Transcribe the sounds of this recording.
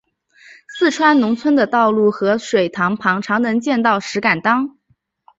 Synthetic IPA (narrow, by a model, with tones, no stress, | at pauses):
sɹ̩˥˩ʈ͡ʂʰwa˥nnʊ˧˥ŋt͡sʰwə˥nd̪ə˨t̪ɑ˥˧ʊlu˥˩xɤ˧˥ʂwe˨˩ɪt̪ʰɑ˧˥ŋpʰɑ˧˥ŋʈ͡ʂʰɑ˧˥ŋnɤ˧˥ŋt͡ɕjɛ˥˧nt̪ɑ˥˩ʊʂɻ̩˧˥ka˨˩nt̪ɑ˥ŋ